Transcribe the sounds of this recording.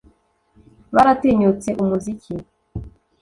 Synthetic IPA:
βaɾateɲut͡se̞ʔumuzicʰi

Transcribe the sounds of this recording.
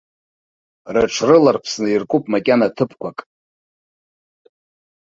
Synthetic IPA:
raʈ͡ʂʰrɨlarpʰsnɨirkʼupʼmakʲʼanatʰɨpʰkʷakʼ

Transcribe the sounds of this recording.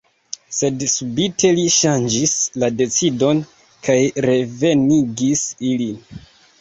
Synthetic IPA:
se̞dsubitʰe̞liʃand͡ʒislade̞t͡sido̞n | kajɾe̞ve̞niɡisilin

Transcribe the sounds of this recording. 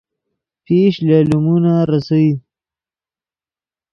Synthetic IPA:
peʃlaːlumunaɾasawi

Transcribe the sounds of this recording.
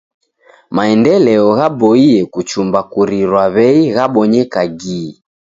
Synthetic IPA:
maɛndɛlɛɔɣabɔiɛkut͡ʃumbakuɾiɾwaβɛiɣaɓɔɲɛkaɡiː

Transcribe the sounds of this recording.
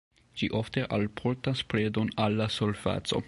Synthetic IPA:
d͡ʒiʔofte̞ʔalpʰoɾtaspɾedo̞nalːasolva̰t͡so̞̰

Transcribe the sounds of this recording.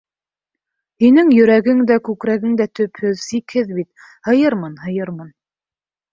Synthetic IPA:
hinɘŋjɵ̆ɾæɡɘŋd̪ækʉkɾæɡɘŋd̪æt̪ɵphɵðsikhɘðbit̪̚ | hɤ̆jɤɾmɤnhɤ̆jɤɾmɤn

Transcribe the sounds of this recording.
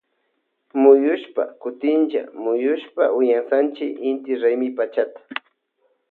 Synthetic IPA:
mʊjʊʃpa̰kʊt̪ɪnt͡ʃa̰mʊjʊʃpaʊjansant͡ʃɪɪnt̪ɪɾajmɪpat͡ʃat̪ḁ

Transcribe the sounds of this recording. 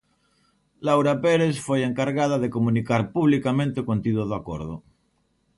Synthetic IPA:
lawɾapeɾesfojeŋkaɾɣað̞aðekomũnikaɾpuβlikamẽnt̪ekont̪iðoðako̰ɾð̞o̰

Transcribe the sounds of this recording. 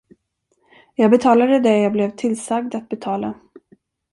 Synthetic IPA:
jɑːɡbɛt̪ʰɑːlad̪əd̪ɛjɑːɡblɛvt̪ʰɪlːsaɡ̚d̪at̪̚bɛt̪ʰɑːla

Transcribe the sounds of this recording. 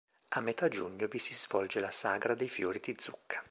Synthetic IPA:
amːet̪ad͡ʒuɲːovisizvɔld͡ʒelasaːɡɾad̪ejfjo̰ːɾid̪id̪zːukʰːḁ

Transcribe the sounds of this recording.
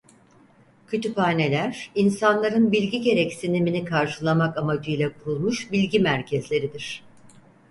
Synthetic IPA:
cʰøt̪ʰypaːne̞lʲæɾ̥insanlˠaɾɯnbilʲɟiɟe̞ɾɛcsiniminikʰaɾʃɯlˠamakamad͡ʒijlʲɛkʰulˠmuʃbilʲɟimæɾcʰɛzlʲe̞ɾid̪iɾ̝̥

